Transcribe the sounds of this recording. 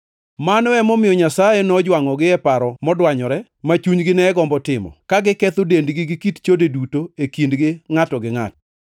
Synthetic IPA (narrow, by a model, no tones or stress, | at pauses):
manɔɛmɔmɪjɔɲasajɛnɔd͡ʒwaŋɔɡɪɛpaɾɔmɔdwaɲɔɾɛ | mat͡ʃuɲɡɪnɛɡɔmbɔtɪmɔ̰kaɡɪkɛt̪ʊdendɡɪɡɪkitt͡ʃodedutoekindɡɪŋatɔɡɪŋa̰tɔ